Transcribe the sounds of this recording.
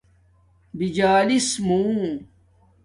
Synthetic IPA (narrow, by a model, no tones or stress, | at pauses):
bid͡ʑaːlismũː